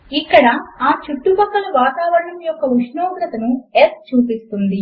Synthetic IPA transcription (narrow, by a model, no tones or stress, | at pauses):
ikːɐɽɐaːt͡ʃuʈːupɐkːɐlɐʋaːt̪aːʋɐɾɳɐmjɔkːɐuʂnoːɡɾɐt̪ɐnuest͡ʃuːpist̪und̪i